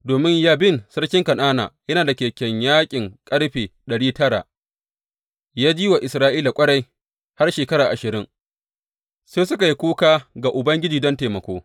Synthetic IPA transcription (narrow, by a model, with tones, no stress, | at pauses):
doː˨mɪ˦ɲjaː˦bɪ˦nsɐ˦ɽkʲɪ˦ŋkɐ˨naː˦na̰ː˨jɐ˦naː˨da˨kʲeː˨kʲɛ˨ɲjaː˦kʲʼɪ˨ŋkʼɐ˦ɽɸeː˨ɗɐ˨ɽiː˦tɐ˦ɽa̰ː˨ | jaː˦d͡ʒiː˦wa˨ʔɪ˨sɾaː˦ʔiː˦la˨kʷʼɐ˦ɽa˦j | ha˦rʃeː˨kɐ˦ɾaː˨ʔa˨ʃɪ˨ɾɪ˦ŋ | seː˦sʊ˦ka˨ji˦kʷuː˦kaː˦ɡa˨ʔʊ˨bɐ˦ŋɡʲɪ˦d͡ʒiː˨dɔ˦nteː˨mɐ˨kʷoː˦